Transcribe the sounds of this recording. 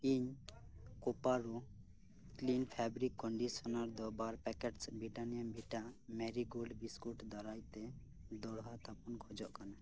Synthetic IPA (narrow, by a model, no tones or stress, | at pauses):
iɲ | kɔpaɾu | klinpʰɛbɾikːɔɳɖisɔnaɾd̪ɔbaɾpɛkɛʈsbɾiʈanijambʱiʈamɛɾiɡolɖbiskuʈd̪ɔɾajt̪ɛ | d̪ɔɽɦat̪ʰapɔnkʰɔd͡ʒɔʔkana